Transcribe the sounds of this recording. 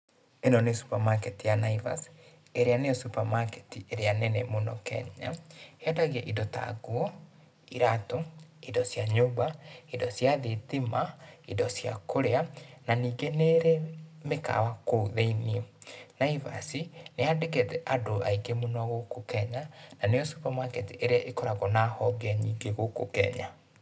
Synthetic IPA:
enɔnesu̥pamaketijanaiva̰si̥ | eɾeaneɔsupamaketieɾeanenemonɔkɛ̰ɲa̰eɔdaɣeʔidɔta̰ɡuɔ | iɾatoidɔsjaɲoːbaidɔsjaðetimaidɔsja̰kʰoɾeananiːɡeneːɾemeka̰wakouðeinienaiva̰sineadeketɛʔadoaiɡemonɔɣokokɛɲananeosupamwakɛtiʔeɾeaʔekɔɾaɣɔnahɔɡɛɲiːɡeɣoko̰kɛ̰ɲa

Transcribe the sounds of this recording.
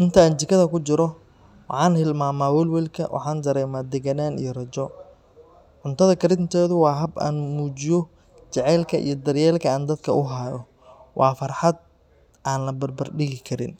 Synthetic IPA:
ʔɪnt̪ʰɐaːnt͡ʃɪkʰɐðɐkʊt͡ʃɪɾɔ | wɑħɑːnhɪlmaːmaːwɛlwɛlkʰɐ̰wʔɑ̰ħɑːnd̪ɐɾɛːmaːd̪ɛɣɐnaːnḭjɔrɐd͡ʒɔ | ʕʊnt̪ʰɐðɐkɐɾɪnt̪ʰɛːðʊwɑːɦɐbʔa̰ːnmuːt͡ʃɪjɔ | t͡ʃɛʕɛːlkʰɐʔḭjɞd̪ɐrjɛːlkʰɐaːnd̪ɐd̪kʰɐʊɦaːjɔ | wʔɑːfɐrħɑd̪̚ | ʔaːnlɐbɐrbɐrɖɪɣɪkʰɐɾɪ̰n

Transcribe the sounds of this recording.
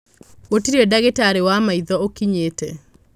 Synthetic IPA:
otiɾedaɣetaɾewamaiðɔokiɲetɛ

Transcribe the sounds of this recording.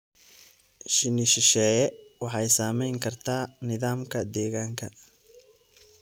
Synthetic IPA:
ʃɪnɪʃɪʃɛːjɛwɑħɑjsaːmɛjŋkʰɐrt̪ʰaːnɪðaːmkʰɐd̪ɛːɣaːŋkʰɐ

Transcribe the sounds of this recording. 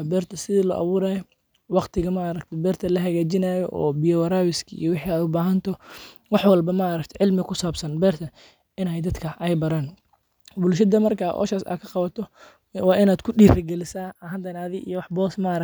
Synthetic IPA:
bɛːrt̪ʰɐsɪðiːlɔ̰ːʔɑ̰βuːɾaːjɔ | wɑqt̪ʰɪɣɐmaːɾɐk̚t̪ʰɛbɛːrt̪ʰɐlɐɦɐɣaːt͡ʃɪnaːjɔʔɔ̰ːbɪjɔwɐɾaːwɪskʰɐḭjɔwɪħiaːd̪ʊbaːɦɐnt̪ʰɔ | wɑħwɑlbɐmaʔːɾɐkt̪ʰɛʕɪlmɪkʰʊsaːbsɐnbɛːrt̪ʰɐ | ɪnɛjd̪ɐd̪kʰɐʔɛjbɐɾaːn | bʊlʃ̬ɐd̪ɐmɐrkʰaʔɔ̰ːʃaːsa̰ːkʰɐqɑβɐt̪ʰɔ | wɑːɪnaːd̪̥kʰʊɗiːɾɪɡɛlɪsaːɐɦɐd̪ɐnaːðɪʔḭjɔwɑħbɔːsmɐʔɐɾɐ

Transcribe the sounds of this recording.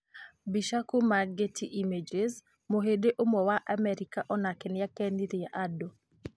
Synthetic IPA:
biʃakomaɡetiʔimed͡ʒez | moɦedeʔomɔwaʔamɛɾikaʔɔnakɛnjakɛniɾiaʔado

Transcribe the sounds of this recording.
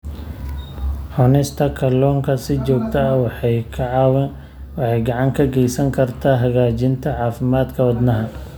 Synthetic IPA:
ħɔnɪst̪ʰɐkʰɐlɔːŋkʰɐsɪt͡ʃɔːɡt̪ʰɐɐwħjkʰɐʕɑw | wɑħɑjɡɑʕɑŋkʰɐɡɛjsɐŋkʰɐrt̪ʰaːɦɐɣaːt͡ʃɪnt̪ʰɐʕɑːfɪmaːd̪kʰɐwɐd̪nɐɦɐ

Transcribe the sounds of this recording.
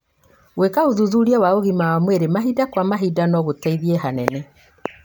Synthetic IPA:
ɣwekaoðuðuɾiɛwaoɣimawamweɾemaɦidakwamaɦidanɔɣotaiðiɛɦanɛnɛ

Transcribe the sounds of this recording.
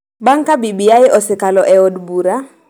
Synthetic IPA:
baŋkabibijaɪʔɔsɪkalɔʔɛɔdbuɾa

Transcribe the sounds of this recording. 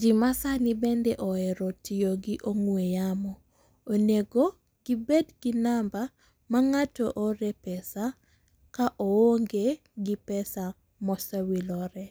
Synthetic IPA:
d͡ʒimasanibɛndeʔɔɛɾɔtijoɡiʔoŋwejamɔː | neɡo | ɡ̥ibedɡinamba | maŋatɔʔoɾɛpɛsa | kaʔowoŋɡe | ɡipɛsa | mɔsawilɔɾɛ

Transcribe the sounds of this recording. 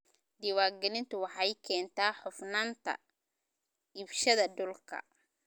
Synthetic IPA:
d̪ɪwaːɡɛlɪnt̪ʊwɑħɑjkʰɛːnt̪ʰaːħʊfnaːnt̪ʰɐ̰ | ɪbʃɐðɐɖʊlkʰɐ̰

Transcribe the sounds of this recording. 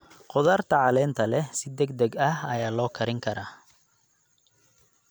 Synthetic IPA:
qɔðaːrt̪ʰɐʕɑlɛːnt̪ʰɐlɛsɪd̪ɛɡd̪ɛɡɐɦɐjaːlɔːkʰɐɾɪŋkʰɐɾaː

